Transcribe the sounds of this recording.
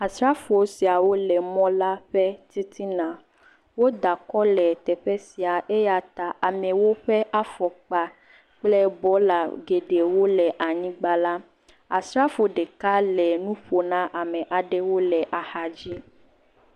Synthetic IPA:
a˨sɾa˦fo˨o˨˦si˨a˨wo˦lɛ˨mɔ̃˦la˦ɸɛ˦t̪i˦t̪i˦nã˨ | wo˦d̪a˨kɔ˦lɛ˨t̪ɛ˨ɸɛ˦si˨a˨ʔe˦ja˨t̪a˨ʔa˨mɛ̃˨wo˦ɸɛ˦ʔa˦fɔ˨k͡pa˦ | k͡plɛ˦bɔ˨˦la˨ɡe˨ɖe˨wo˦lɛ˨ʔa˨ɲĩ˦ɡ͡ba˦la˦ | a˨sɾa˦fo˨ɖe˨ka˦lɛ˨nũ˦ɸo˨nã˦ʔa˨mɛ̃˨ʔa˨ɖɛ˦wo˦lɛ˨ʔa˨ha˦d͡ʑi˦

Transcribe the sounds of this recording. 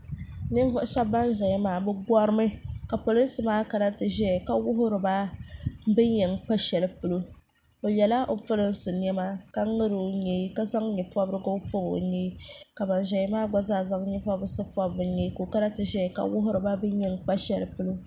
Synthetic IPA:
nɨ˦n˦vʊ˦ʔʃɛ˦bːa˦n˦ʒɛ˨ɲɛ˨˦maː˨˦˨bɨ˦ɡɔ˦ɾɨ˦mɨ˦ka˨po˨lɨ˦n˦sɨ˨maː˦ka˨ɾa˦tɨ˨ʒɛ˦˨ka˨wʊ˦ɦʊ˦ɾɨ˨ba˦ | bɨ˦ɲɛ˨ŋk͡pa˦ʃɛ˨lɨ˦pɨ˨lo˦ | o˨jɛ˨la˦ʔo˨pʊ˦lɨ˦n˦sɨ˨n˦ɛ˦ma˦ka˦ŋɨ˦ɾɨ˨ɲe˦ka˦za˦ŋ˦ɲɛ˨pɔ˦bɾɨ˦ɡo˦po˦bo̰˨ɲe˦ka˨ba˨n˨ʒɛ˨ɛ˦maː˦ɡ͡ba˦zaː˦˨za˦ŋ˦ɲɛ˦vɔ˦bɾɨ˨sɨ˦pɔ˦bɾɨ˨ɲe˦ko˨ka˦ɾa˦tɨ˨ʒɛ˦˨ka̰˨wʊ˦ɦʊ˦ɾɨ˨ba˦bɨ˦ɲɛ˨ŋk͡pa˦ʃɛ̰˨lɨ˨pɨ˨lo˦

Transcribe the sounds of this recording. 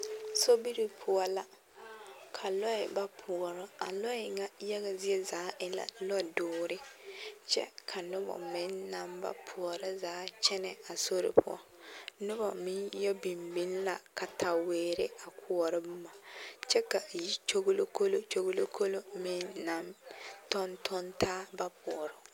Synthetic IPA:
so˦bi˦ɾi˨pʰʊ˦ɔ˦la˨ | kʰa˨lɔ˦ɪ˨ba˦pʰʊ˨ɔ˨ɾɔ˦a˨lɔ˦ɪ˨ŋa˦ja˦ɣa˨zɪ˦ɛ˦zaː˨˦ʔɪ˦la̰˨lɔ˦˨dʊː˨ɾɪ˦t͡ʃɛ̰˦kʰa˨nʊ˦bɔ̰˨mɪ˦nːa˨mba̰˦pʰʊ˨ɔ˨ɾa˦zaː˨˦t͡ʃɛ˦nɛ˨a˨so˦ɾɪ̰˨pʰʊ̰˦ɔ̰˦ | nʊ˦bɔ˨mɪ˦njɔ˦bi˨mbi˦nla˨ka˨tʰa˨weː˨˦ɾɪ̰˦a˨kʰʊ˨ɔ˨ɾɪ˦bu˦ma˨t͡ʃɛ˦ka˨ji˦t͡ʃo˦ɡlo˦ko˦lo˦t͡ʃo˦ɡo˦lo˦kʰo˦lo˦mɪ˦nːa˨mtɔ˦ntʰɔ˦ntʰaː˦ba˦pʊ˨ɔ˨ɾɔ˨

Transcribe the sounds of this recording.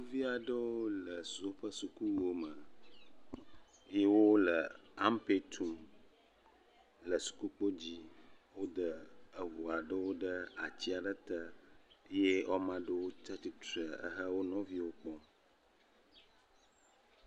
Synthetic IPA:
u˦vi˦a˨ɖə˦wo˦lə˨su˨o˦ɸə˦su˨ku˦o˦mə˨ | je˦wo˦lə˨a˦mpe˦t̪ʰu˦m | lə˨su̥˨ku˦k͡po˦d͡ʑi˦wo˦d̪ə˦ə˨vu˨a˨ɖə˦wo˦ɖə˦a˨t͡ɕi˦a˨ɖə˦t̪ə˦je˦ɔ˦mã˦ɖə˦wo˦t͡ʃa˦t̪i˦t̪ə˨ə̰˦ɦə˦wo˦nɔ̃˦vi˦wo˦k͡pɔ̃˦

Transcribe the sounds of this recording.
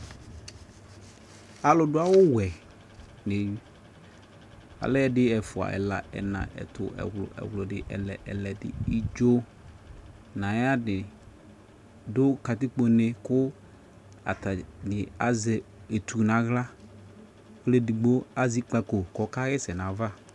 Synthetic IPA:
a˨lʊ˨dʊ˦a˦wʊ˦wɛ˨ | ne˨˦ | a̰˨lɛ˦dɪ˦ɛ˨fʊ˨a̰˨ʔɛ̰˨la̰˨ɛ̰˨nã̰˨ʔɛ̰˨tʊ˨ɛ̰˨wlʊ̰˨ɛ̰˨wlʊ˨dɪ˨ʔɛ̰˨lɛ˨ʔɛ˨lɛ˨dɪ̰˨i˦d͡ʒo˦ | nã˨ja˦dɪ˨ | dʊ˦ka˨tɪ˦k͡po˨nɪ˨kʊ˦ | a̰˨ta˨dɪ˨a˨zɛ˨e˨t̪ʰu˨nã˨ɣla˦ | kle˦di˨ɡ͡bo˦a˦zi˦k͡pa˨ko˨kɔ˨ka˦ɣɛ˦sɛ˨nã˨va˦

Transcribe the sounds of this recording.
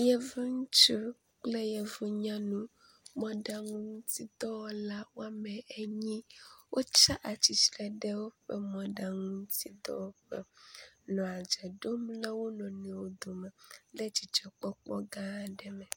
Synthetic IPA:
jɛ˨vu˦ŋũ˦t͡ʃo˦ | k͡ple˦jɛ˨vu˦ɲã˦nũ˦ | mɔ̃˦ɖa˨ŋũ˦ŋ˦t̪i˦d̪ɔ˦wɔ˦la˦wo˦a˦mɛ˨ɛ˦ɲĩ˦wʔo˦t͡ʃa˦ʔa˨t͡ɕi˨slɛ˨ɖɛ˦wo˦ɸɛ˦mɔ̃˨ɖa˨ŋũ˦t̪i˦d̪ɔ̰˦wɔ˦ɸɛ̰˦nɔ̃˨a˨d͡ʒɛ˨ɖo˦mlɛ˦wo˦nɔ̃˨nɛ̃˨wo˦d̪o˨mɛ˨le˦t͡ʃi˨t͡ʃɔ˨k͡pɔ˦k͡pɔ˦ɡã˦˨ɖɛ˨mɛ˨

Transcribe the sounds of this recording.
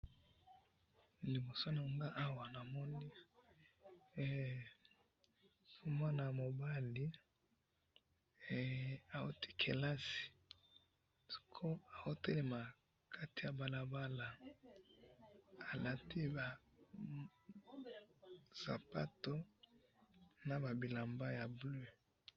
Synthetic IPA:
li˨bo˨so˦na˨ŋɡa˦ʔa˦wa˨na˨mɔ˦ni˦˨ | so˦m˦a˦na˨mo˨ba˦li˦˨ | a˨o˦ti̥˦kʰḛ˨la˦si̥˨ | si̥˨kʰo˦a˨o˦te˦le˨ma˨ | kʰa˦ti̥˨ja˨ba˨la˨ba˦la˨ | a˨la˨ti˦ba˨ | z̥a̰˨pa̰˦to˦ | na˨ba˨bi˨la˨mba˦ja˨ble˦˨

